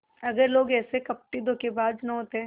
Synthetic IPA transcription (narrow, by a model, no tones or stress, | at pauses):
ɐɡəɾloːɡɛːsekɐp̚ʈid̪oːkebaːd̪nɐɦoːt̪eɦɛ̃ː